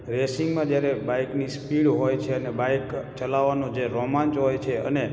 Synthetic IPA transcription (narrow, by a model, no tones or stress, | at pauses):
ɾesiŋɡmãd͡ʒjaɾebajknispiɽɦojt͡ʃʰeənebajkt͡ʃəlaʋːanod͡ʒeɾomãnt͡ʃɦojt͡ʃʰeəne